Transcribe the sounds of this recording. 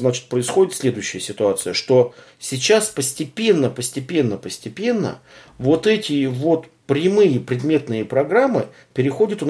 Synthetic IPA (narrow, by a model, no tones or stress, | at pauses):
znat͡ɕɪ̥t̪̚pɾəɪsxo̞dʲɪt̪sʲlʲe̞d̪ʊjʉɕːɪjəsʲɪt̪ʊat̪sɨjəʂt̪o̞ | sʲɪt͡ɕaspəsʲtʲɪpʲe̞nːəpəsʲtʲɪpʲe̞nːəpəsʲtʲɪpʲe̞nːə̰ | vo̞t̪ɛtʲɪvo̞t̪ | pɾʲɪmɨjəpɾʲɪd̪mʲe̞t̪nɨjəpɾɐɡɾamːɨ̰ | pʲɪɾʲɪxo̞dʲət̪ʊ